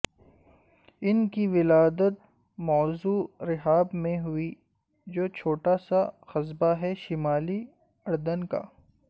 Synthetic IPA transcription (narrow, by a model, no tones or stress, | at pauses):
ɪnkiʋɪlaːd̪ət̪̚ | mɔːzuːɾɪɦaːbmẽɦʊi | d͡ʒoːt͡ʃʰoːʈasaxɐzbaɦɛʃɪmaːli | ɐɽd̪ənka̰ː